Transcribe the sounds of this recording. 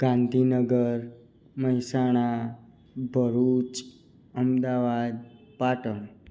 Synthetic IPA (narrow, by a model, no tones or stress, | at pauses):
ɡ̥ãnd̪ʱinəɡəɾ | məɦisaɽ̃a | bʱəɾut͡ʃ | əmd̪aʋad̪paʈəɳ